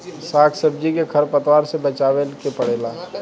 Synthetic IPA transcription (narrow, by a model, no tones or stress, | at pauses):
saːkʰsəb̚d͡ʒikekʰəɾpət̪waːɾsebət͡ʃaːʋelkepəɽ̤eːla